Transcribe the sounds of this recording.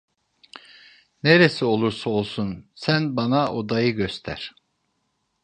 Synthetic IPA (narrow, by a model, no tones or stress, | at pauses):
neɾesio̞lˠuɾsao̞lˠsunsænbɑnaʔo̞d̪ɑjɯɟøst̪ʰæ̰ɾ̥